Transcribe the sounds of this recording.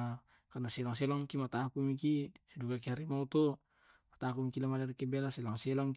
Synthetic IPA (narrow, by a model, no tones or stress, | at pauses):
kanasɛlaŋselɔŋkimat̪aakumikisiduɡak̬iɦaɾimaut̪o | mat̪akumikilamalarikebelaselaŋselɔŋ